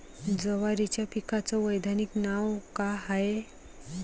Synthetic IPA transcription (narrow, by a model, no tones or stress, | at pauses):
d͡zəʋaɾit͡ɕjapikat͡sɔʋəjd̪ʱaniknawkaɦae